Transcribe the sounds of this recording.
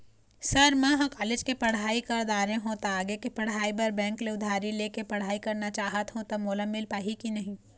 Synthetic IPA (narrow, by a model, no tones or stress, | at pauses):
sɐɾmɛ̃ɦɐ̃kaːlɪd͡ʒkepɐɽ̤aːikɐɾd̪aːɾẽɦot̪aaːɡekipɐɽ̤aːibɐɾbɛ̃ːŋkleʊd̪ʱaːɾileːkepɐɽ̤aːikɐɾnat͡ʃaːɦət̪ɦũt̪ɐmoːləmːɪlpaːɦikinɐɦĩ